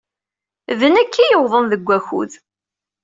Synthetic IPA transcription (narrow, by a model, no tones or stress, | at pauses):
ðənækʰːijəwðˤənðəɡʷːæxṵð